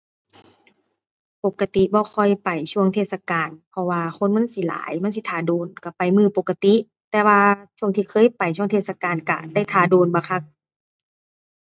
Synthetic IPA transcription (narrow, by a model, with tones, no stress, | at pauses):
po˨˩kːa˧t̪i˧˨bɔː˧˦xʰɔ˧˩jpa˨˩jsʰu˧əŋt̪ʰeː˧˨sa˧kaː˨npʰɔ˧waː˧xʰo˧˥˨nma˧˥˨nsi˧˦la̰ː˨˦jma˧˥˨si˧˦t̪ʰaː˨˧˩doː˨˩nka˧˩pa˨˩jmɯː˧˨po˨˩kːa˧t̪i˧˦ʔ | t̪ɛː˧waː˧t͡ɕʰu˧ə˨ŋt̪ʰiː˧kʰɤː˧˥˨jpa˨˩jt͡ɕʰu˧ə˨t̪ʰeː˧t̚sa˧kaː˨nka̰˧˩da˥˩jt̪ʰaː˨˧˩doː˨˧˨nba˧kʰa˧˩k̚